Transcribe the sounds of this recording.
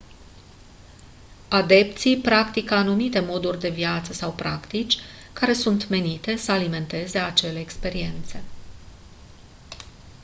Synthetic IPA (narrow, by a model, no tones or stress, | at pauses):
ad̪e̞pt̪sipɾakt̪ikəanumit̪e̞mo̞d̪urʲd̪e̞viat̪səsawpɾakt̪it͡ʃʲkaɾe̞sunt̪me̞nit̪e̞səalime̞nt̪e̞ze̞at͡ʃe̞le̞ːkspe̞ɾie̞nt̪se̞